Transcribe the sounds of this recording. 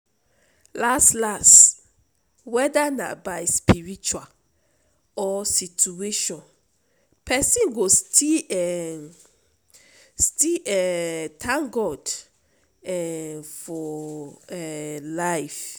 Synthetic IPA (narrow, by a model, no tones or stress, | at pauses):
lastlas | wɛdanã̰bajspiɹit͡ʃual | ɔsitueʃɔ̃n | pʰɛsĩnɡostʰiɛ | stiɛtʰãŋɡɔd | ɛfɔɛlaɪf